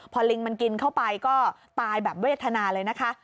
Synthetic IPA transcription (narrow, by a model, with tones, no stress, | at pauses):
pʰɔː˧li˧ŋma˧nki˧nkʰa˥˩wpa˧jkɔː˥˩t̪aː˧jbɛː˨˩p̚ma˥˩˦t̪ʰːa˧naː˧lɤː˧jna˦˥kʰa˦˥ʔ